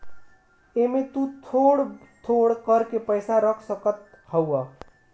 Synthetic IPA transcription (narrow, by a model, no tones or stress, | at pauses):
emet̪ut̪ʰoɽ | t̪ʰoɽkəɾkepəjsaɾəkʰsəkət̪ | həwə